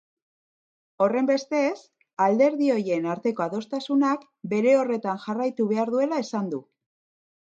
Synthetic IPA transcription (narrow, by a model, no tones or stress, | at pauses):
o̞re̞mbe̞st̪es | ald̪e̞ɾðio̞je̞naɾt̪e̞ko̞aðo̞st̪asunak | be̞ɾe̞o̞re̞t̪anxarajt̪uβ̞e̞aɾðue̞lae̞sand̪u